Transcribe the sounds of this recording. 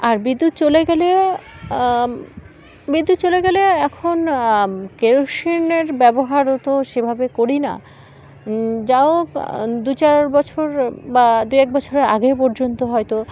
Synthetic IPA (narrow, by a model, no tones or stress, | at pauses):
aɾbid̪ːut̪̚t͡ɕoleɡɛle | bid̪ːut̪ːt͡ɕoleɡɛleɛkʰon | keɾoʃineɾbɛboɦaɾot̪oʃebʱabekoɾina̰ | d͡ʑaod̪ut͡ɕaɾbɔt͡ɕʰoɾbad̪ujɛk̚bɔt͡ɕʰoɾeɾa̰ɡepɔɾd͡ʑont̪oɦɔet̪o